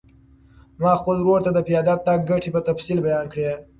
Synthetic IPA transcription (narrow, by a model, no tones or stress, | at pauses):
mɑxpəlɾoɾt̪ad̪əpjɑd̪ɑt̪̚ːɑk̚ɡaʈʰipət̪afsilbajɑnkɽe